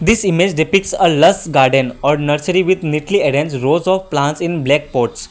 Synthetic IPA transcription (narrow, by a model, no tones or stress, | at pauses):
d̪ɪsimed͡ʒɖipɪkʈsələsɡaːɾɖə̃nɔːɾnəɾsəɾiʋɪd̪ʱniʈlieɖɛ̃nsɾoːzɔːʋplãnʈsɪ̃nblɛk̚poːɾʈs